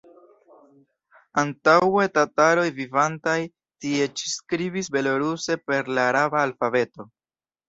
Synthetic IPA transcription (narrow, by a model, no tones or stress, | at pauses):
antawe̞tataɾo̞jvivantaj | tie̞t͡ʃi̥skɾibisbe̞lo̞ɾuse̞pe̞ɾlaːɾabaːlfabe̞to̞